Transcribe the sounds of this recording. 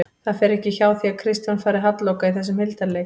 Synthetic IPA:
θaðfɛɾɛhcɪçaːwθiakʰɾɪst̪janfaːɾɪɦat̪lowkaiθɛs̬ːʏmhɪlt̪aɾleːj

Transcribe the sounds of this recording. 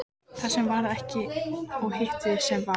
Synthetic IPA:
θaðsɛmvaɾɛhcɪawhɪht̪ɪsɛmva

